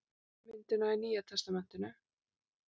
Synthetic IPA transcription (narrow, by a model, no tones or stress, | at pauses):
mɪnt̪ʏnaɪniːjat̪ʰɛst̪amɛn̥t̪ʏnʏ